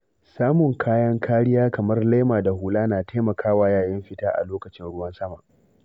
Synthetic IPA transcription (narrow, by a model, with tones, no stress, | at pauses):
saː˦mʊ˨ŋkʰaː˦jɐ˦ŋkʰaː˦ɽɪ˦jaː˦kɐ˨mɐ˦rla˦maː˨da˨huː˨laː˦naː˨ta˦mɐ˨kʰaː˦waː˦jaː˨jɪ˦mɸɪ˦taː˦ʔa̰˨loː˦kɐ˨t͡ʃɪ˦nɽʊ˦wɐ˦nsɐ˦ma̰˨ʔ